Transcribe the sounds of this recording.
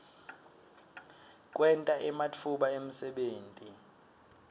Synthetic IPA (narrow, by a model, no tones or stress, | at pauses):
k̬ʼwɛntʼaʔɛmat͡fʰuɓaem̩sɛɓeːntʼi